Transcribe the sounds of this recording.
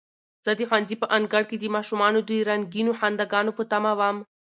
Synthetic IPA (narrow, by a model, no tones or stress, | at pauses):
z̥əd̪exwanzipəʔanɡaɽked̪imɑʃumɑnod̪ujɾaŋɡinoħand̪aɡɑnopət̪amawam